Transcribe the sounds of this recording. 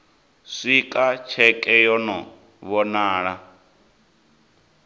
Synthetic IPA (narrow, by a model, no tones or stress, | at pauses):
ʂikʼat͡ʃʰɛkʼɛjɔnɔ | βɔnaːɺa